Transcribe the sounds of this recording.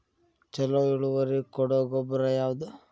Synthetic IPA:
t͡ʃɛloiɭuʋɐɾikɔɽoːɡɔbɐɾɐjaːʋud̪u

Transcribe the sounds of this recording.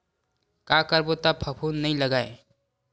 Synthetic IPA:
kakəɾbot̪apʰəpʰunnɐɦĩləɡae

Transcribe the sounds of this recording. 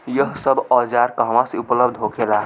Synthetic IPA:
jəɦsəbɔd͡ʒaɾkəɦəmãseupləbd̪ʱɦokʰela

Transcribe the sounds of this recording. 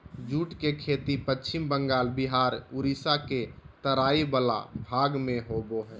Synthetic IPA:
d͡ʒuːʈkekʰet̪ipətːt͡ʃʰɪmbəŋɡaːlbiɦaːɾuɾisaket̪əɾaːibəla̰bʱaːɡmẽɦoboɦɛː

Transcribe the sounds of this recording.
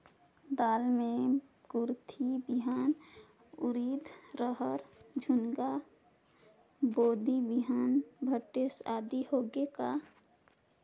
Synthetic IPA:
d̪aːlmẽ | ɡʊɾt̪ʰibiɦaːn | ʊɾiːd̪ʱɾəɦəɾd͡ʒʱʊnɡa | boːd̪ibiɦaːnbʱəʈːesaːd̪ihoːɡeka

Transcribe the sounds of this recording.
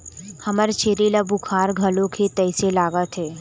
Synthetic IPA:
hɐməɾt͡ʃʰeːɾilabʊkʰaːɾɡʱɐlõkʰet̪ɛːselaːɡat̪ʰeː

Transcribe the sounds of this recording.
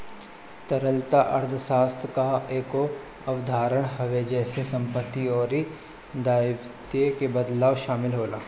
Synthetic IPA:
t̪ɐɾəlt̪aʔɐɾd̪ʰʱʃaːst̪ʰkaeːko | ɐʋd̪ʱaːɾəɽ̃ɦɐʋed͡ʒɛːsesɐ̃mpət̪ːiɔːɾi | d̪aːjʋ | t̪ekebɐd̪laːʋʃaːmɪlɦoːlaː

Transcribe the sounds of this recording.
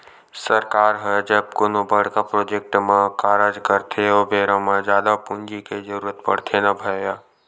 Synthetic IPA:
səɾkaːɾɦəd͡ʒəb̚kʊnobəɽkapɾoːd͡ʒek̚ʈmãkaːɾad͡ʒkəɾt̪ʰeobeːɾãmãd͡ʒaːd̪apʊnd͡ʒiked͡ʒəɾuːɾət̪pə̰ɽ̤t̪ʰenɐbʱəjaː

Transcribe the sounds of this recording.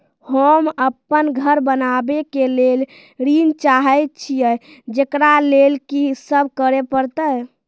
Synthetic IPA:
həməpːənɡʱəɾbənabekelel | ɾint͡ʃaɦəjt̪t͡ʃʰijə | d͡ʒekɾalelkisəbʱkəɾepəɾt̪əj

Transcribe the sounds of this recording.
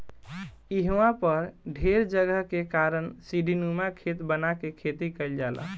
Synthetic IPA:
iɦwãpəɾɖʱeɾd͡ʒəɡəɦkekaɾənsiɖʱinumakʰet̪bənakekʰet̪ikəld͡ʒalʔə̰

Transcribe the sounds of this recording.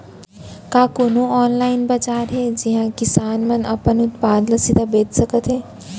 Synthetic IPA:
kaːkoːnoɔːnlaːɪnbad͡ʒaːɾɦɛd͡ʒiɦãkɪsaːnmənɐ̰pənʊt̪paːd̪ləsit̪abeːd͡ʒsəkət̪ɦɛː

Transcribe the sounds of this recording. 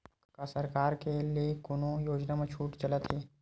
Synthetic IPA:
kasəɾkaːɾkeliekʊnõjoːd͡ʒnamẽt͡ʃʰuːʈt͡ʃɐlət̪ɦeː

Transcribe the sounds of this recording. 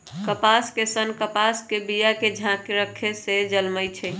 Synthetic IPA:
kəpaskesənkəpaskebijaked͡ʒʱãkɾəkʰesed͡ʒəlməjt͡ʃʰɛ

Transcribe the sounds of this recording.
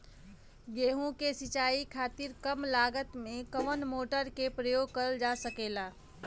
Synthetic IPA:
jeːɦũkesɪt͡ʃaːikʰaːt̪ɪɾkəmlaːɡət̪mẽkəʋənmoːʈəɾkepɾəjoːɡ̚kəɾəld͡ʒasəkeːlaː

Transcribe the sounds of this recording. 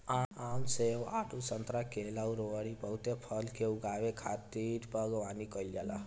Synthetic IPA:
aaunsewaɖusənt̪ɾakelauɾoɽipəwt̪epʰəlkeuɡawekʰat̪iɾpəɡʋanikəjld͡ʒala̰

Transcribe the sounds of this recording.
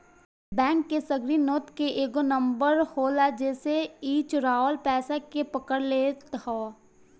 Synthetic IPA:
bɛ̃ːŋkːesəɡɾinoːt̪keʔeːɡonə̃mbəɾhoːlad͡ʒɛːseiːt͡ʃʊɾaːʋəlpɛːsakepəkəɾleːt̪aː

